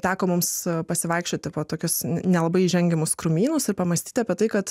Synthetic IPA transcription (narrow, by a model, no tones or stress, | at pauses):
t̪ʲæːkoːmʊmspɐsʲɪʋɐɪkʃʲt͡ʃʲoːt̪ʲɪpoːt̪oːkʲʊsnʲɛlˠɐbɐɪʒʲɛŋʲɡʲɛmʊskɾʊmʲiːnʊsɪɾpɐmɐsʲt̪ʲiːt̪ʲɑːpʲiɛt̪ɐɪkɐt̪